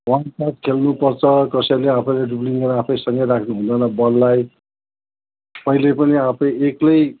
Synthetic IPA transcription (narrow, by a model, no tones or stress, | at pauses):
wansat̪kʰelnupʌrt͡sʰʌkʌsʌjleapʰʌjlaɖubliŋʌɾapʰʌjsʌŋɡʌjɾakʰnuɦũnd̪ʌnʌbʌlːaj | pʌilepʌniapʰʌjeklʌj